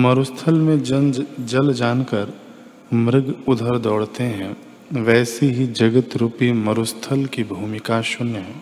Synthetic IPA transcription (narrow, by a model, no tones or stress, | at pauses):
mɐɾʊst̪ʰəlmẽd͡ʒəld͡ʒaːnkəɾ | mɾɪɡʊd̪ʱəɾd̪ɔːɽt̪eɦɛ̃ | ʋɛːseɦid͡ʒɐɡət̪ɾuːpimɐɾʊst̪ʰəlkibʱuːmɪkaʃʊnɦɛ̃ː